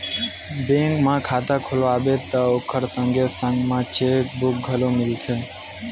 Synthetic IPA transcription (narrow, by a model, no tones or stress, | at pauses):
bẽŋkmãkʰaːt̪akʰoloaːbet̪əokʰəɾsə̃ŋɡesə̃ŋɡmãt͡ʃekbuk̚ɡʱəlomɪlt͡ʃʰe